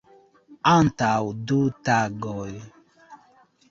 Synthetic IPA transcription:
an̩tawudutaɡɔj

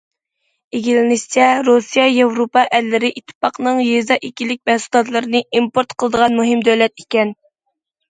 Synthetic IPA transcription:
eɡʲilɪnɪʃt͡ʃʰɛɾosijɑjevɾopɑʔɛlːɪɾɪʔit̪ʰːɨ̥pɑqnɨŋjezɑʔikʲilɪk̚ʲmɛhsu̥t̪ɑt̪lˠɨɾɨnɨʔimpoɾt̪qʰəlˠəd̪əʁɑnmuɦɪmd̪øwlɛt̪ikʲɛn

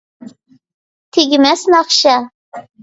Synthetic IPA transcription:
t̪ʰiɡʲɪmæsnɑχʃɑ

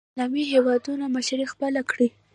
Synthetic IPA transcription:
lɑmiɦewɑd̪unamaʃaɾixpəlakɽi

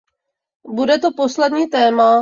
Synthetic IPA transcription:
budɛt̪o̞po̞slɛdɲiːt̪ɛːma

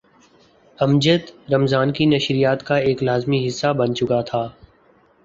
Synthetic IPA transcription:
ɐmd͡ʒət̪ɾɐmzaːnkinɐʃɾijaːt̪kaeːklaːzmiɦɪsːabɐnt͡ʃʊkat̪ʰaː

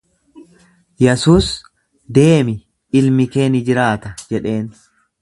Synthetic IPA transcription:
jɛsuːs | d̪e̞ːmɪ | ɪlmɪke̞ːnɪd͡ʒɪɾaːt̪ɐd͡ʒɛᶑe̞ːn

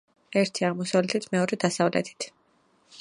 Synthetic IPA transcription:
ɛɾt̪ʰiaʁmɔsavlɛt̪ʰit̪ʰmɛɔɾɛd̪asavlɛ̰t̪ʰi̥t̪ʰ

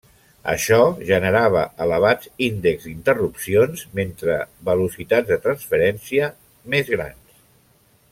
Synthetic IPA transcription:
ə̰ʃɔʒənəɾaβ̞əʔələβ̞azind̪əkzint̪ərupsionzment̪ɾəβəlusit̪add͡zzðət̪ɾənsfəɾɛnsiə | mezɣɾa̰ns

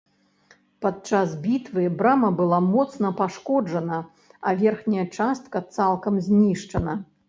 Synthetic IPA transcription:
pat̪̚t͡ʂazbʲit̪vɨbɾamɐbɨlˠamɔt̪snɐpaʂkɔd͡ʐɐnɐ | ɐvʲɛrxnʲɐjɐt͡ʂast̪̚kɐt̪salˠkɐmzʲnʲiʂt͡ʂɐnɐ

